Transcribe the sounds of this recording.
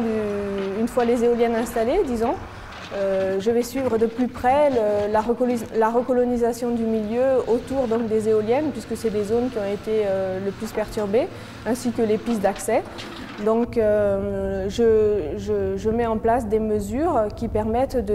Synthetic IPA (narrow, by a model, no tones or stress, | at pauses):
yynfwalezeɔljɛnɛ̃st̪aled̪izɔ̃ | øʒəvɛsɥivʁəd̪əplypχɛləlaʁəklaʁəkɔlɔnizasjɔ̃d̪ymiljøot̪uʁd̪ɔ̃k̚d̪ezeɔljɛnpɥiskəsɛd̪ezonkʲiɔ̃et̪eøləplyspɛʁt̪yʁbe | ɛ̃sikəlepist̪d̪aksɛ | d̪ɔ̃kø | ʒəʒəʒəmɛɑ̃plasd̪eməzyʁkʲipɛʁmɛt̪d̪ə